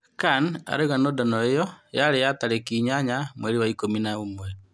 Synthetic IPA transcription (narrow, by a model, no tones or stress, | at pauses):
kana̰ɾeɣanodanɔejɔjaɾejataɾekiɲaɲamweɾiwaikominaomwɛɾ